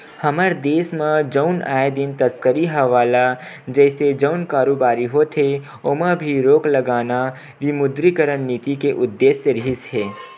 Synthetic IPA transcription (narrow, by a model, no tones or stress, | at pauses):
həməɾd̪eːsmãd͡ʒəʊnaːed̪ɪnt̪əskəɾiɦɐʋaːla | d͡ʒɛːsed͡ʒəʊnkaːɾoːbaːɾiɦot̪ʰɦe | omãbʱiɾoːkləɡaːna | ʋimʊd̪ɾikəɾənːit̪ikeʔʊd̪ːeːsːeɾɪɦɪsɦeː